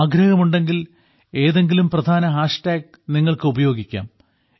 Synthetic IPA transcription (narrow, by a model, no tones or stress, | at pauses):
aːɡɾɐɣɐmuɳɖe̞ŋɡil | e̞ːðe̞ŋɡilumprɐd̪ʱaːnɐɦaːʂʈaːɡ̚ | niŋːɐɭkɨubɐjo̞ːɡikʲːa̰ːm